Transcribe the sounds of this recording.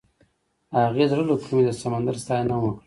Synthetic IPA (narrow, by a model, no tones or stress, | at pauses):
haɣezɾəlokʰumed̪əsamand̪aɾst̪ɑjnawəkɽi